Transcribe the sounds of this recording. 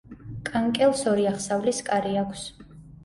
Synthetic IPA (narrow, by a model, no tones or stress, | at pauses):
kʼaŋkʼɛlˠsɔɾiaχsavliskʼaɾiakʰs